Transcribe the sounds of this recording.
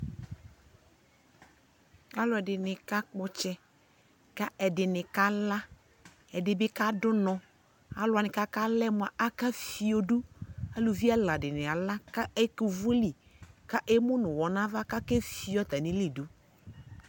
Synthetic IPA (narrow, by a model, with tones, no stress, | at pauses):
a˦lʊ˨˦ɛ˨dɪ˨nɪ˨ka˦k͡pɔ˦t͡ʃɛ˦ | ka˦ɛ˨dɪ˨nɪ˨ka˦la˦ | ɛ˨dɪ˨bɪ˦ka˦dʊ˦nɔ̃˨ | a˨lʊ˨a˨nɪ˨ka˦ka˦lɛ˦mʊ̃˨a˨ʔa˦ka˦fi˨o˨du˦a˦lo˨vi˦a˦la˨dɪ˨nɪ̃˨a˨la˦ka˦e˦ku˨vʊ˦li˨ | ka˦ʔe˦mʊ̃˦nʊ̃˨wɔ˨nã˦va˦ka˦ke˦fi˦ɔ˦t̪a˨nɪ̃˦li˦˨du˨